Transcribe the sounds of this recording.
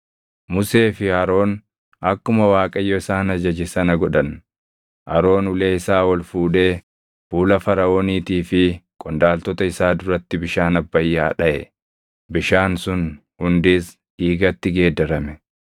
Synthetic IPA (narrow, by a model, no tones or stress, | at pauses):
mʊse̞ːfɪhɐɾo̞ːn | ɐkːʊmɐwaːkʼɐjːɔɪsaːnɐd͡ʒɐd͡ʒɪsɐnɐɡɔᶑɐn | ʔɐɾo̞ːnʊle̞ːɪsaːwɐlfuːᶑe̞ː | fuːlɐfɐɾɐoːniːt̪iːfɪkʼɔnd̪aːlt̪ɔt̪ɐɪsaːd̪ʊɾɐt̪ːɪbɪʃaːnɐbːɐjːaːᶑɐʔɛ̰ | bɪʃaːnsʊn | hʊnd̪iːs | iːɡɐt̪ːɪɡe̞ːd̪ɐɾɐmɛ